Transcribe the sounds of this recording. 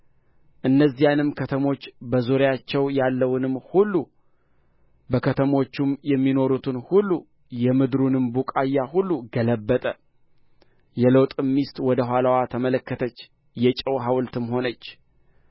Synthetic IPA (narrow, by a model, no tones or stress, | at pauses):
ʔɨnːəzːijanɨmkʰət̪ʰəmo̞t͡ʃːbəzoɾjat͡ʃːɛwjalːəwnɨmhulːu | bəkʰət̪ʰəmo̞t͡ʃːumjɛmːino̞ɾut̪ʰɨnhulːu | jɛmɨd̪ɾunɨmbukʼajːahulːuɡələbːət̪ʼə | jɛləwt̪ʼɨmːist̪ʼwɔd̪əɦʷwalawat̪ʰəmələkːət̪ʰət͡ʃː | jɛt͡ʃʼəwɦawlt̪ʰɨmho̞nət͡ʃː